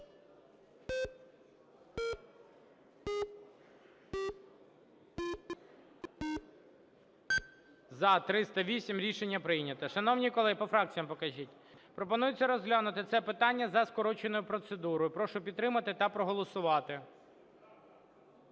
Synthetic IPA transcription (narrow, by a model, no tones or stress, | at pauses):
zɐt̪ɾɪst̪ɐʋʲisʲimɾʲiʃenʲːɐpɾɪjnʲɐt̪ɐʃɐnɔwnʲikɔlˠɪpɔfɾɑk̚t͡sʲijɐmpɔkɐʒʲitʲ | pɾɔpɔnujʊt͡sʲːɐɾɔzɦlʲanʊt̪ɪt̪sɛpɪt̪ɑnʲːɐzɐskɔɾɔt͡ʃenɔjʊpɾɔt̪sed̪uɾɔjʊpɾɔʃʊpʲid̪t̪ːɾɪmɐt̪ɪt̪ɐpɾɔɦɔlˠɔsʊʋɑt̪ɪ